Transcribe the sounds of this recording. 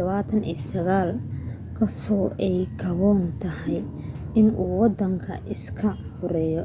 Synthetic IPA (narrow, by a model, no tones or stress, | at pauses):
ɐβaːt̪ʰɐnḭːsɐɣaːl | kʰɐsɔːʔɛjkʰɐβɔːnt̪ʰɐhɛj | ɪnuːwɑd̪ɐŋkʰɐ̰ʔɪskʰɐ | bʊɾɛːjɔ